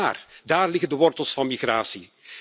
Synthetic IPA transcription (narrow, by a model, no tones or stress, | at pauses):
aːrdaːrlɪɣəndəʋɔrtəlˠsfɑnmiɣraːsi